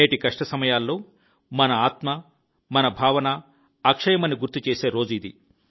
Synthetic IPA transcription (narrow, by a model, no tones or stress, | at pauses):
eːʈikɐʂʈɐsɐmɐjaːlːo̞ː | mɐnɐaːt̪mɐ | mɐnɐbʱaːʋɐnɐ | ɐkʂɐjɐmɐnːiɡuɾt̪ːit͡ʃeːse̞ːɾo̞ːd͡ʒuid̪i